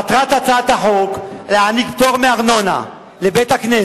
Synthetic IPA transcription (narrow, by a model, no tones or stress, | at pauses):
at̪ʁat̪at͡sat̪haħokleaniɡt̪oʁmeaʁno̞na̰ | lebet̪hakne